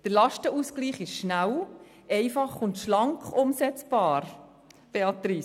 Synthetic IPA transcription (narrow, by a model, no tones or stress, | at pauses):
d̥əɾlɑʃtəuskliːχɪʃʃnæw | ɛɪfɑχʊntʃlɑŋkʊmsɛt͡sb̥ɑːɾ | b̥eɑt̪ɾiː